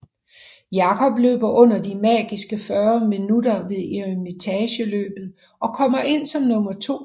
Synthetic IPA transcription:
jɑ̈kʰɒ̽b̥lø̰ːb̥ɐʔɔ̽n̰ɐd̥imɛ̰ːɡ̥isɡ̥əfɶːɐminudɐʋe̝ðˠeemit͡sʰɛɕəlø̰ːb̥ð̩ˠ | ʔɒ̽kʰɒ̽m̰ɐʔe̝n̰sɒ̽mnɔ̽mɐt͡sʰo̝̰ː

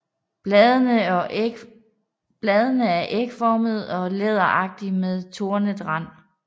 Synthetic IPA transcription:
b̥lɛːð̞ˠənəæɐʔeɡ̥fɒməð̞̩ˠɒ̽leð̞ˠɐʔɑ̈ɡ̥̚d̥imeðˠt͡sʰo̝ɐnəd̥ʁɑ̈n̰

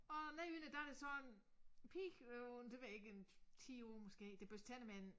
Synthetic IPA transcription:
ɒ̽næynəd̥ææd̥e̝sɒ̽en | pʰiːɡ̥ond̥e̝ʋæe̝ɡ̥əent͡sʰio̝mɔsɡ̥e̝̰ːd̥eb̥øst͡sʰænəmæn

